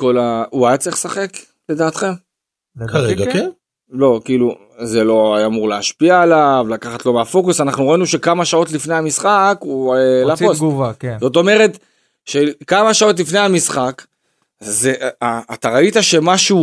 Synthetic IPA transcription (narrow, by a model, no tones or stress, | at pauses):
ko̞lauajad̪t͡sʁiχsaχe̞k | le̞d̪aːt̪χem | kaʁeɡaken | lo̞kiːlu | zelo̞aamuʁleaʃpiaːlavlakaχatlo̞meafo̞kusanaχnuʁoinuʃe̞kamaʃao̞t̪lifnejamisχakulasosɡvakzo̞t̪̬o̞me̞ʁe̞t̪ | ʃekamaʃao̞t̬lifnejamisχak | zeaːt̪aʁaitaʃe̞maʃu